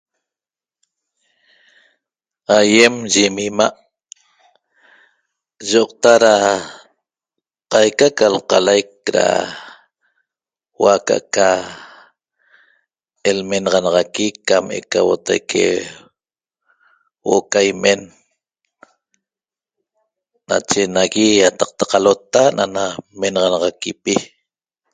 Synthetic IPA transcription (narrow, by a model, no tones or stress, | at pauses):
ajemʒimimaʔ | ʒoʔq̚t̪aɾa | qɑjkakalqɑlajk̚ɾa̰ | waka̰ʔka | elmenɑʁɑnɑʁɑkikamʔḛkawot̪ajkʰḛ | wo̰ʔokajme̞n | a̰t͡ʃenaɣijat̪ɑq̚t̪ḁqalot̪anʔanamenʁɑnɑʁɑkipi